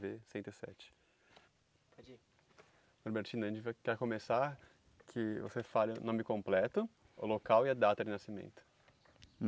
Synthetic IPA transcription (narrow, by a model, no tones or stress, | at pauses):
vesẽt̪ʊɪsɛ̰t͡ʃɪ̥ | oɾbeɾt͡ʃĩnɐʒẽt͡ʃɪvakɛɾkõmesa | kʰɪvo̰sefalɪʊ̰nõmɪkõmplɛt̪ʊ | ʊlokawɪad̪at̪ɐd͡ʒɪnasimḛ̃nt̪ʊ̥